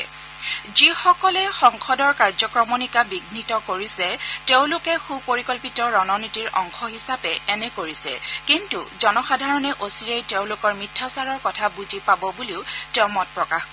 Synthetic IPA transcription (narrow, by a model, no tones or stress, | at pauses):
zixɔkɔlɛxɔŋxɔdɔɹkaɹzɔkɹɔmonikabiɡnitɔkoɹisɛteʊ̃lʊkɛxupoɹikɔlpitɔɹɔnɔnitiɹʔɔŋxɔɦisapɛɛnɛkoɹisɛ̰kintuzɔnɔxadʱaɹɔnɛʔosiɹejteʊ̃lʊkɔɹmitʰːɔsaɹɔɹkɔtʰabuzipabɔbuliʊteʊ̃mɔt̚pɹɔkaxkɔ